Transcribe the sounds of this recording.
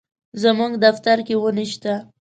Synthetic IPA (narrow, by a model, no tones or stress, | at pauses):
zəmuŋɡd̪aft̪aɾkewəniʃt̪a